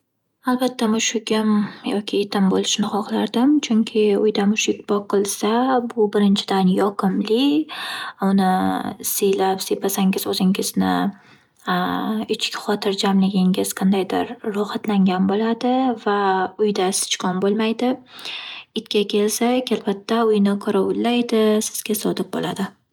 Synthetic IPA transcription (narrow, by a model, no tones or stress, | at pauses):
alˠbat̪ʰːamʊʃɪɡʲɪmjɒkʲʰɪːt̪ʰɪmbolɪʃnɪχɒqlˠaɾd̪ɪmt͡ʃʰʊŋkʲʰɪʊ̰jd̪amʊʃɪkʲbɒqʰːɨlˠsabʊbɪɾɪnt͡ʃʰɪd̪anjɒqʰɨmlɪ | ʊnɪsejlapsepasaŋʲɪzɵzɪŋʲɪznɪ̰ | ɪt͡ʃkʲχɒt̪ʰɪɾd͡ʒamlɪɡʲɪŋʲɪz̥qʰɑnd̪ajd̪ɪɾːʊhat̪laŋɡʲanbolad̪ɪvaʊjd̪asɪ̥t͡ʃkʰɒnbolˠmajd̪ɪ | ɪt̪kʲakʲʰe̞lsakʲalbat̪ʰːaʊjnɪqʰʊɾawʊlːajd̪ɪsɪ̥z̥ɡʲasɒd̪ɪp̚bo̰lad̪ɪ